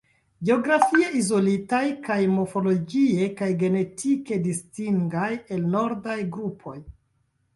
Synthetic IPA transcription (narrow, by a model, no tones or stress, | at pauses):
ɡeo̞ɡɾafie̞izo̞litajkajmo̞fo̞lo̞ɡie̞kajɡe̞ne̞tʰike̞distiŋɡaje̞lno̞ɾdajɡɾupʰo̞j